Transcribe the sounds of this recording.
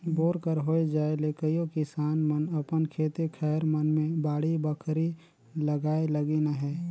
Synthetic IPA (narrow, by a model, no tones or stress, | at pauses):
boːɾkəɾɦoːed͡ʒaːelekəjokɪsaːnmənəpənkʰeːt̪ekʰɛːɾmənmẽbaːɽibəkʰɾi | ləɡaːeləɡenaɦɛː